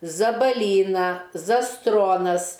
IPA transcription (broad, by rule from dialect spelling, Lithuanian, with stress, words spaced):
zɐbɐˈlʲiːnɐ zɐˈstroːnɐs